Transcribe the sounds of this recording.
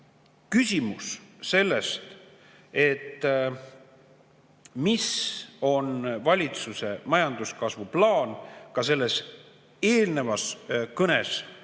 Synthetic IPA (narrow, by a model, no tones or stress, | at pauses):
kysʲimusse̞lːe̞st̪ | e̞t̪ː | miso̞nvɑlʲit̪suse̞mɑjɑnd̪uskɑsvuplɑːnkɑse̞lːe̞s | e̞ːlne̞vɑskɤnes